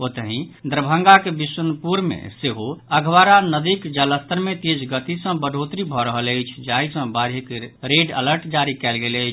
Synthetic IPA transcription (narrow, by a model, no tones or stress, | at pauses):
ot̪əɦĩd̪ɾəbʱə̃ŋɡakebiswənəpuɾmḛseɦoəɡʱʋaɾanəd̪ikd͡ʒələst̪əɾmet̪ed͡ʒɡət̪isə̃bəɖʱot̪ɾibʱɔɾəɦələjt͡ʃʰd͡ʒaisə̃baɾɦikɾeɖə̰ləɾʈd͡ʒaɾikɛlɡeləɪt͡ʃʰ